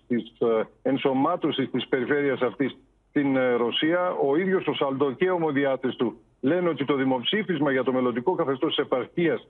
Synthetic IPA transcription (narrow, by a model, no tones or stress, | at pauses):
t̪ise̞nso̞mɐt̪o̞sist̪ispe̞ɾife̞ɾiɐsɐft̪is | t̪inɾo̞siɐo̞iðʝo̞so̞sɐld̪o̞ce̞o̞mo̞ðiɐt̪est̪u | le̞neo̞t̪it̪o̞ðimo̞psifizmɐʝɐt̪o̞me̞lond̪iko̞kɐθe̞st̪osti̥se̞pɐɾçiɐs